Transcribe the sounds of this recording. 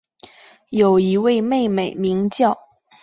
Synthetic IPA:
jo˨˩ʊi˧˥we˥˧ɪme˥˩ɪme˨˩ɪmi˧˥ŋt͡ɕjɑ˥˩ʊ

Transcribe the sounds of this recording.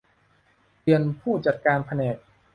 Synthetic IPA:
dɯ˧ənpʰuː˥˩t͡ɕa˨˩t̪̚kaː˧npʰa˧nɛː˨˩k̚

